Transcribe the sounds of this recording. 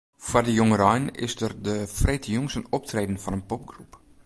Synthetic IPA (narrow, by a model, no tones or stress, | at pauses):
fardəjoŋəɾɔjnɪ̰sdərdəfretʰəjuŋsənɔp̚treːdən̩fɔnənpɔp̚ɡrup